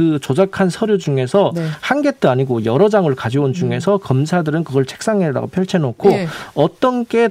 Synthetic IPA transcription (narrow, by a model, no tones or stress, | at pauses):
ɯt͡ɕod͡ʑakʰansʰʌɾjod͡ʑuŋe̞sʰʌnhanɡe̞t͈ʰɯaɲiɡojʌɾʌd͡ʑaŋɯɭkad͡ʑiond͡ʑuŋe̞sʰʌkʌmsʰadɯɾɯnkɯɡʌɭt͡ɕʰe̥k̚s͈aŋeda̰ɡo̰pʰjʌɭt͡ɕʰenokʰoʌt͈ʌnɡe̞